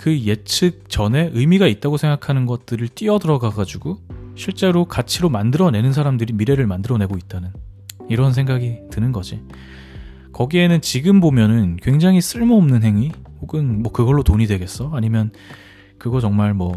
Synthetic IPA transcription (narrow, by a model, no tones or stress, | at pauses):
kɯje̞t͡ɕʰɯk̚t͡ɕʌne̞ʔɯjmiɡait̚t͈aɡosʰe̞ŋɡakʰanɯnɡʌt̚t͈ɯɾɯɭt͈iʌdɯɾʌɡaɡad͡ʑuɡoɕʰiɭt͡ɕ͈e̞ɾokat͡ɕʰiɾomandɯɾʌne̞nɯnsʰaɾamdɯɾimiɾe̞ɾɯɭmandɯɾʌne̞ɡoit̚t͈anɯn | iɾʌnsʰe̞ŋɡaɡitɯnɯnɡʌd͡ʑi | kʌɡie̞nɯnt͡ɕiɡɯmbomjʌnɯnkwe̞ŋd͡ʑaŋɦis͈ʰɯɭmoːmnɯnɦe̞ŋihoɡɯnmwʌkɯɡʌɭːotoɲidwe̞ɡe̞s͈ʌaɲimjʌn | kɯɡʌt͡ɕʌŋmaɭmwʌ